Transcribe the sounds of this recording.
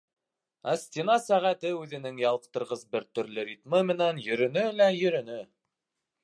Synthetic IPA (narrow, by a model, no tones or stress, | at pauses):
æsʲt̪ʲinɑsæʁæt̪ɘʉðɘ̆nɘŋjɑlˠɤ̆q̚t̪ɤ̆ɾʁɤzbɘɾt̪ɵ̆ɾlɘɾʲit̪mɤmɘ̆nænjɵ̆ɾɵ̆nɵlæjɵ̆ɾɵ̆nɘ